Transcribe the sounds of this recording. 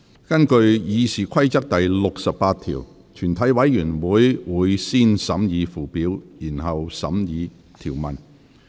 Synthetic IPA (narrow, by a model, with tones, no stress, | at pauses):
kɐ˥nkɵ˧ɥjiː˨˧siː˨kʰɐ˥jt͡sɐ˥k̚t̪ɐ˨jlʊ˨k̚sɐ˨pːaː˧t̪ʰḭː˨˩w | t̪ʰyː˨˩nt̪ʰɐ˨˥jwɐ˨˥jːyː˨˩nwuː˨˥jwuː˨˧jsiː˥nsɐ˨˥mjiː˨˧fuː˨˩piː˨˥wjiː˨˩nɦɐ˨wsɐ̰˨˥mjiː˨˧ | t̪ʰiː˨˩wmɐ˨n